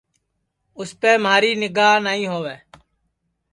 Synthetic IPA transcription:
ʊspeːmaːɾiːnɪɡaːɦnaːɦĩːɦoːʋeː

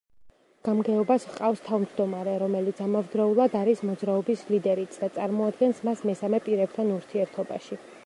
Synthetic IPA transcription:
ɡ̥amɡɛɔbasqʼafst̪ʰavmd͡ʒd̪ɔmaɾɛɾɔmɛlit̪sʰamavd̪ɾaulˠad̪aɾismɔd̪zɾaɔbislid̪ɛɾit̪ʰd̪at̪sʼaɾmɔad̪ɡɛnsmasmɛsamɛpʼiɾɛb̚t̪ʰanuɾt̪ʰiɛɾt̪ʰɔba̰ʃi

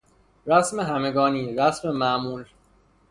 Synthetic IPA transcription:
ɾæsme̞ɦæme̞ɡɒːniːɾæsme̞mæʔmuːl

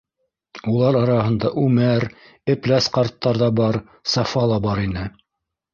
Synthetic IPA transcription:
ulˠɑɾɑɾɑhɤ̆nd̪ɑʔʉmæɾ | ɘ̆plæsqɑɾt̪ːɑɾðɑbɑɾ | sɑfɑlˠɑbɑɾinɘ

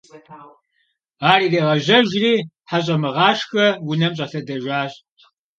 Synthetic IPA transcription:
aːriːreːʁɐʑɐʒriː | ħaɕʼɐmɨʁɑːʂxɐwʊnɐmɕʼɐɬɐdɐʒʷaːɕʼ

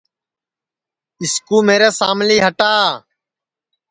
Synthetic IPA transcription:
ɪskuːmeːɾeːsaːmliːɦəʈaː

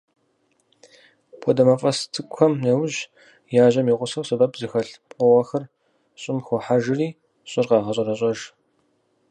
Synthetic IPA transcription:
pʷʰɔdɐmɐfʼɐstʰɨkʷʰɐmnɐwʒ | jaːʒɐmiːʁʷʊsɐwsɨbɐpzɨxɐɬpqʷʼɔʁɐxɐr | ɕʼɪmxʷɔħaʒɪriː | ɕʼɪrqɑːʁɐɕʼɐrɐɕʼɐʒ

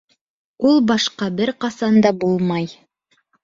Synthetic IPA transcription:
ulˠbɑʃqɑbɘɾqɑsɑnd̪ɑbulˠmɑj

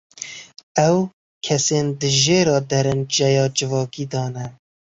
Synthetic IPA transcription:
ɛw | kʰɛseːnd̪ɨʒeːɾɑːd̪ɛɾɨnd͡ʒɛjɑːd͡ʒɨvɑːkiːd̪ɑːnɛ

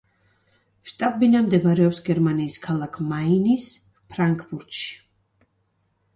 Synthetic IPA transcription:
ʃt̪ʼabbinamd̪ɛbaɾɛɔpsɡɛɾmaniːskʰalˠakʰmainis | pʰɾaŋkʰbuɾt̪ʃi̥

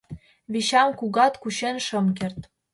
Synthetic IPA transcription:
βiɕɑmkuɣɑt̪kuɕenʃɤ̆mkĕrt̪

